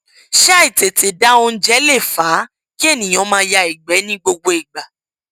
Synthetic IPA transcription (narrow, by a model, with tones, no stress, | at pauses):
ʃa˦i˦˨te˨te˨da˦o˦˧n̩˦d͡ʒɛ˦le˦˨faː˨˦ | ki˦e˦˨nĩ˨j̃ɔ̃˨˦mãː˧˦ja˧i˨ɡ͡bɛ˨˦nĩ˦ɡ͡bo˧ɡ͡bo˧i˨ɡ͡ba˨